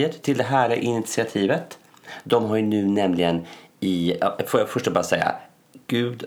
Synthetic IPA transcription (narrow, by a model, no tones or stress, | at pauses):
ət̪ʰːɪld̪ɛɦæːɾʔɪnɪt̪sɪat̪ʰiːvət̪ | d̪ɔmɦaɾjnʉ̟ːnɛmlɪɡənɪfoːjafœʂʈəbɑːɾsɛjːa̰ | ɡ̥ʉ̟ːd̪